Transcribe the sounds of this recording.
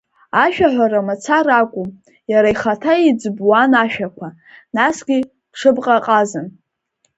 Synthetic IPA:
aʃᶣaħʷaɾamat͡sʰarakʷʼʊm | jaɾaiχatʰaid͡zbwanaʃᶣakʷʰa | nasɡʲi | ʈ͡ʂʰɨbqʼaqʼazɨn

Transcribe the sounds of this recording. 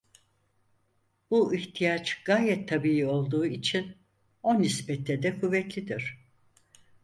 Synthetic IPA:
b̥uʔiht̪ʰijat͡ʃɡ̥aːjɛt̪ʰːabijio̞lˠd̪uːit͡ʃʰin | o̞nisbɛt̪ːɛd̪ɛkʰuvːɛt̪lʲid̪iɾ̝̥

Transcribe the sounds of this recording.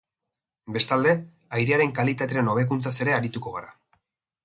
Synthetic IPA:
be̞st̪ald̪e̞ | ajɾeaɾe̞ŋkalit̪at̪eɾeno̞β̞e̞kunt͡sase̞ɾe̞aɾit̪uko̞ɣaɾa

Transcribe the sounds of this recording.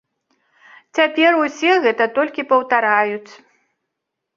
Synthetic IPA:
t͡sʲapʲɛrusʲɛɣɛt̪ɐt̪ɔlʲkʲipɐwt̪aɾajut͡sʲ

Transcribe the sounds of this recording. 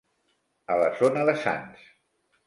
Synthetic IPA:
ələzonəðəsa̰ns

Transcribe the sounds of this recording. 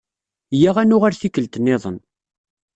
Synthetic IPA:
jaʁænʊʁaɾθikːəlt̪ənːɪðˤə̰n

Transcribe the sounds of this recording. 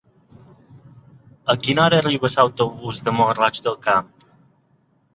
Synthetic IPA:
əɡinaɾəriβəsawt̪oβuzd̪əmoɦərat͡ʃd̪əlˠkamp

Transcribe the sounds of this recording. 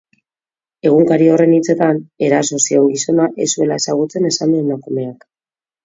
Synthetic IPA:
e̞ɣ̞uŋkaɾio̞re̞nit͡se̞t̪ane̞ɾaso̞sioŋɣiso̞naʔe̞sue̞lae̞saɣ̞ut͡se̞ne̞sand̪emakume̞ak

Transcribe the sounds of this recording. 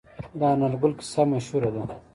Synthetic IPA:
d̪aːnɐlɡulki̥sɐmɐɕuɾɐd̪u

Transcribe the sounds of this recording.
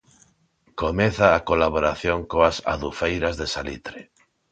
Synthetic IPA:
komeθaːkolaβ̞oɾaθjõŋkoasa̰ðufejɾazðesalit̪ɾe

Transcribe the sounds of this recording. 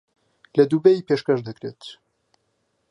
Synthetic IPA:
lɐd̪ubɛjiːpeːʃkɐʃd̪ɐkɾeːt̪

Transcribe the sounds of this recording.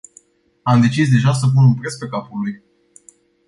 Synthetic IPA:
amd̪e̞t͡ʃis̬d̪e̞ʒas̬əp̬unumpɾet̪spe̞kapuluj

